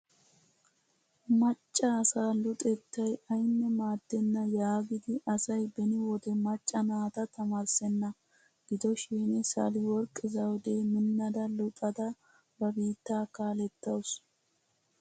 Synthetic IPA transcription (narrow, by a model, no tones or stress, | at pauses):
mɐt͡ʃʼːɐːsaːlʊt̪ʼɛt̪ːɐjɐjnːɛmaːd̪̥ːɛnːɐjaːɡɪd̪ɪɐsɐjbɛnɪwɔd̪ɛmɐt͡ʃʼːɐnaːt̪ɐt̪ɐmaɾsɛnːɐ | ɡ̥ɪd̪ɔʃiːnɪsɐ̰lɪwɔɾkʼːɪzɐwɔd̪eːmɪnːɐd̪ɐlʊt̪ʼɐd̪ɐ | bɐbiːt̪ːaːkaːlɛt̪ːɐws